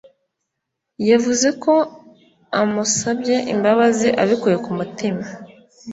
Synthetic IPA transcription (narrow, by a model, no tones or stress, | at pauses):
javuze̞ko̞ | amusabje̞ʔḭmbaβaziʔaβikuje̞kumutima